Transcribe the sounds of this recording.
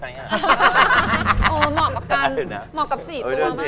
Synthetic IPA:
ʔəː˧˨˩mɔː˨˩kːa˨˩p̚kaː˧nmɔː˨˩kːa˨˩p̚siː˨˩t̪u˧ɐma˧˥

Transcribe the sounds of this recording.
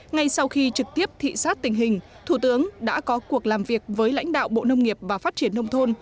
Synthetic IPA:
ŋa˧jsa˧wxi˧t͡ɕɨ˨˩k̚t̪i˦˥əp̚t̪ʰḭ˧˨saː˦˥t̚t̪ï˨˩ŋ̟ɦï˨˩ŋ̟ | t̪ʰu˧˩t̪ɨ˨˦əŋɗa̰ː˧˥kɔ˨˦ku˨˩ək̚laː˨˩mvi˨˩ək̚vəː˨˦jla̰˧˥jŋ̟ɗa̰ː˧˨wɓo̰˧˨nə˧wŋ͡mŋi˨˩əp̚vaː˨˩faː˦˥t̚t͡ɕi˧˩ənːə˧wŋ͡mt̪ʰo˧n

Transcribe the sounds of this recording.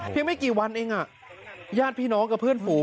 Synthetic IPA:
pʰe˧ŋma˥˩jkiː˨˩wa˧nʔeː˧ŋʔa˨˩ʔ | jaː˥˩t̪̚pʰiː˥˩nɔː˦˥ŋka˨˩pʰɯː˥˩ənpʰuː˨˩˦

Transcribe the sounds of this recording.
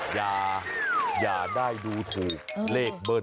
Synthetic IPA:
jaː˨˩ | jaː˨˩daː˥˩jduː˧t̪ʰuː˨˩k̚leː˥˩k̚bɤ˥˩

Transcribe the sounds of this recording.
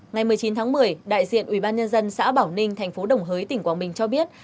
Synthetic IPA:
ŋa˨˩jmɨ˨˩əjt͡ɕi˨˦nt̪ʰaː˨˦ŋmɨ˨˩əjɗa̰ː˧˨jzḭ˧˨ənʔwi˧˩ɓaː˧nɲə˧nzə˧nsa̰ː˧˥ɓaː˧˩wnï˧ŋ̟t̪ʰa˨˩jŋ̟fo˨˦ɗə˨˩wŋ͡mɦəː˨˦jt̪ï˧˩ŋkwaː˨˦nɓï˨˩ŋ̟t͡ɕɔ˧ɓi˦˥ət̚

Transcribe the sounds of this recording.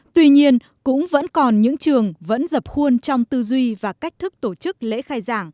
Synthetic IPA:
t̪wi˧ɲi˧ən | kʊ̰˧˥ŋ͡mvə̰˧˥nkɔ˨˩nɲɨ̰˧˥ŋt͡ɕɨ˨˩əŋvə̰˧˥nzə˨˩p̚xu˧ənt͡ɕɔ˧wŋ͡mt̪ɨ˧zwi˧vaː˨˩ka˦˥jk̚t̪ʰɨ˦˥k̚t̪o˧˩t͡ɕɨ˦˥k̚lḛ˧˥xaː˧jzaː˧˩ŋ

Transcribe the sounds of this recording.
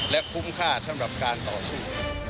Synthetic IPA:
lɛ˦˥ʔkʰu˦˥mkʰaː˥˩sʰa˧˩mɾa˨˩p̚kaː˧nt̪ɔː˨˩suː˥˩

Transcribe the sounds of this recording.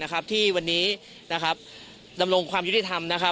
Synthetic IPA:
na˦˥kʰa˦˥p̚t̪ʰiː˥˩wa˧nːiː˦˥ | na˦˥kʰa˦˥p̚ | da˧mɾo˧ŋkʰwaː˧mju˦˥t̪i˧˩t̪ʰa˧mna˦˥kʰa˦˥

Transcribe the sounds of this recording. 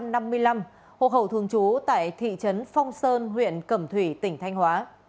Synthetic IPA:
mna˧mːɨ˧əjla˧m | ho̰˧˨ɦə˧˩wt̪ʰɨ˨˧˩əŋt͡ɕu˨˦t̪a̰ː˧˨jt̪ʰḭ˧˨t͡ɕə˨˦nfɔ˧wŋ͡msəː˧nɦwḭ˧˨ənkə˧˩mt̪ʰwi˧˩t̪ï˧˩ŋ̟t̪ʰa˧jŋ̟hwaː˨˦

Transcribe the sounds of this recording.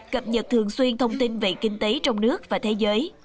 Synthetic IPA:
kə˨˩p̚ɲə˨˩t̚t̪ʰɨ˨˩əŋswi˧ənt̪ʰə˧wŋ͡mt̪i˧nvḭ˧˨kï˧ŋ̟t̪e˨˦t͡ɕɔ˧wŋ͡mnɨ˦˥ək̚vaː˨˩t̪ʰe˨˦zəː˨˦j

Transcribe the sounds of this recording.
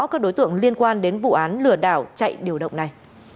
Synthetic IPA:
kaː˦˥k̚ɗo˨˦jt̪ɨ̰˧˨əŋli˧ənkwaː˧nɗe˨˦nvṵ˧˨ʔaː˨˦nlɨ˨˩əɗa̰ː˧˩wt͡ɕa̰˧˨jɗi˨˩əwɗə̰˧˨wŋ͡mna˨˩j

